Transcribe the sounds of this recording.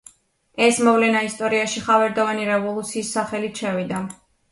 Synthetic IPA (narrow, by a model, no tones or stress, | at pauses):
ɛsmɔvlɛnaist̪ʼɔɾiaʃiχavɛɾd̪ɔvaniɾɛvɔlˠut̪sʰiːsːaχɛlit̪ʃɛvid̪a